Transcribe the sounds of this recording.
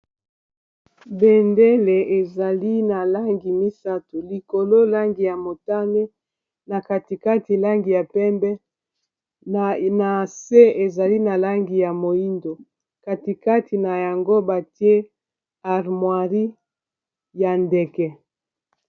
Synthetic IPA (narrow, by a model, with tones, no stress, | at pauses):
be˨nde˦le˨ʔe˨za˨li˦na˨la˦ŋɡi˨mi˦sa˦to˨li˨ko˨lo˦la˦ŋɡi˨ja˨mo˨ta˦ne˦ | na˨ka˨ti˨ka˦ti˨la˦ŋɡi˨ja˨pɛ˦mbɛ˦˨ | na˨se˦e˨za˨li˦na˨la˦ŋɡi˨ja˨mo˨i˦ndo˨ | ka˨ti˨ka˦ti˨na˨ja˨ŋɡo˦ba˨ti˦e˦ | a˨ʁmwa˨ʁi˦ | ja˨ndɛ˨kɛ˨